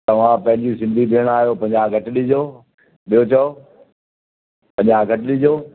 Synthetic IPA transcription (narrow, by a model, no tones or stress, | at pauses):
t̪ɐʋ̤ãpɐ̃ɦɪ̃ɲd͡ʑisɪ̃nd̪ʱibiɦəɽ̃aːɦijoːpɐ̃ɲd͡ʑaɡʱɐʈɗid͡ʑoː | ɓijot͡ɕʰɐo | pɐ̃ɲd͡ʑaɡʱɐʈlid͡ʑoː